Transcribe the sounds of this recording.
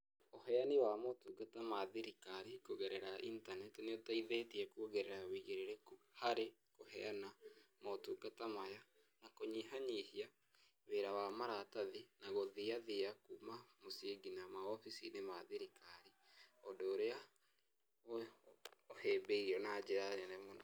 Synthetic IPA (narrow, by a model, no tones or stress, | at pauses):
ohɛaniwamotuːɡatamaðiɾikaɾikoɣeɾɛɾaʔintanɛtneotaiðetiɛkuoɣeɾeɾawiɣeɾeɾekhaɾe | kohɛ̰anamatuɡatamaja | nakoɲiɦaɲihia | βeɾawamaɾataðinaɣoðiaðeakumamoseɡinamaɔfisinemaðiɾikaɾi | odoːɾea | o | ohebeiɾiɔnad͡ʒeɾanenɛmona